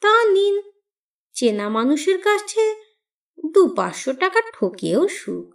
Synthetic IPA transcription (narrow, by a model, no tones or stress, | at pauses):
t̪anin | t͡ɕenamanuʃeɾkat͡ɕʰt͡ɕʰe | d̪upa̰ʃoʈakaʈʰokeoʃṵk